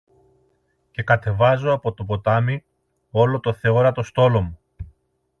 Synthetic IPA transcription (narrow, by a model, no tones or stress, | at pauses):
ce̞kɐt̪e̞vɐzo̞ɐpo̞t̪o̞po̞t̪ɐmi | o̞lo̞t̪o̞θe̞o̞ɾɐt̪o̞st̪o̞lo̞mu